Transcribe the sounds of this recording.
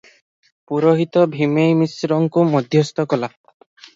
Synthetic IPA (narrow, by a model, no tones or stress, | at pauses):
puɾoɦit̪ɔbʱimejmisɾɔŋkumɔd̪ʱjɔst̪ɔkɔla